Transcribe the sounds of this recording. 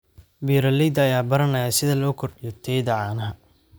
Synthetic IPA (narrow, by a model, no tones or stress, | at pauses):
biːɾɐlid̪ɐːjaːbɐɾɐnɐjaːsɪðɐlɔːkʰɔrɖɪjɔt̪ʰɛjd̪ɐʕɑːnɐɦɐ